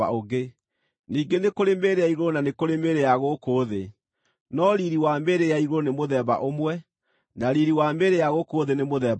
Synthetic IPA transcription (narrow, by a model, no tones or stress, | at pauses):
a̰oɣe | niːɡenekoɾemeɾeaiɣoɾonanekoɾemeɾejaɣokoːðe | nɔɾiɾiwameɾejaiɣoɾonemoðɛβa̰ʔomwɛ | naɾiɾiwameɾejaɣokoːðenemoðɛ